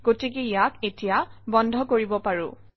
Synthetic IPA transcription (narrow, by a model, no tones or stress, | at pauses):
ɡ̥otikejaketijabɔndʱɔkoɹibɔpaɹʊ̰